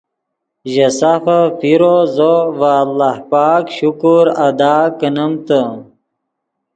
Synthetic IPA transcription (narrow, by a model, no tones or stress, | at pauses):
ʑəsafəfiɾozovalːahpaːkɕukuɾɐd̪aːkənəmt̪ə